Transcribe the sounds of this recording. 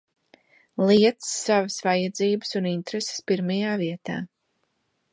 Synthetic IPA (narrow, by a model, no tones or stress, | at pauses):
lˠiɛt̪sːavəsvajad̪ziːbəsunint̪ɾese̥spiɾmajaːviɛt̪a̰ː